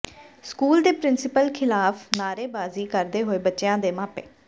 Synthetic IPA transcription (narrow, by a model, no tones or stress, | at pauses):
skuːld̪eːpɾɪnsɪpəlkʰɪlaːfʰnaːɾeːbaːziːkəɾd̪eːɦoːeːbətːʃjãːd̪eːmaːpḛː